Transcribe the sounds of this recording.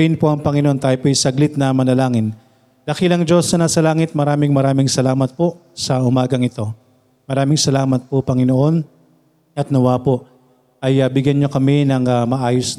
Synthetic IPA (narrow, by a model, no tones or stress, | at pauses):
ɪnpoʔɐŋpɐŋɪnoo̞nt̪aːjopojsɐɡlɪt̪̚nɐmɐnɐlaːŋɪn | lɐkilɐŋd͡ʒo̞sːɐnaːsɐlaːŋɪt̪̚mɐɾaːmɪŋmɐɾaːmɪŋsɐlaːmɐt̪̚poʔ | sɐʔʊmaːɡɐŋɪt̪o̞ | mɐɾaːmɪŋsɐlaːmɐt̪̚popɐŋɪnoʔo̞n | ɐt̪̚nɐwaːpo̞ʔ | ʔɐjɐbɪɡjɐnɲokɐmɛnɐŋɐmɐʔaːjos